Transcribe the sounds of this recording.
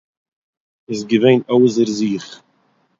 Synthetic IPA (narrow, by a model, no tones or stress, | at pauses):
ɪsɡəveɪnoʊzəɾziːχ